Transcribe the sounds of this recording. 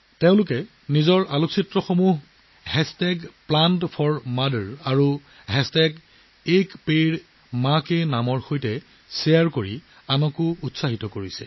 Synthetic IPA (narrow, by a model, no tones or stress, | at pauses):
teʊ̃lʊkɛ | nizɔɹaloksitɹɔxomuɦ | hɛstɛɡplantpʰɔɹmadəɹaɹu | ɦɛstɛɡ | ekpeɹ | makenamɔɹxojtɛ | sejaɹkoɹi | anɔkʊutsaɦitɔkoɹisɛ̰